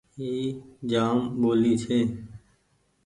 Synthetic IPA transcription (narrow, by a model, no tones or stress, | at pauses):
ɦiːd͡ʒaːmɓoːliːt͡ʃʰeː